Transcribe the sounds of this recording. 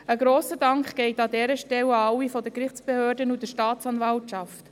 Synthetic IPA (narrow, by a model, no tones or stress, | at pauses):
əɡɾoːsədɑŋkχɡ̥ɛɪtɑdɛːɾəʃtɛwɑwːifɔdəkɾɪχt͡sb̥ehøːɾdənud̥əʃtɑːtt͡sɑnvɑltʃɑft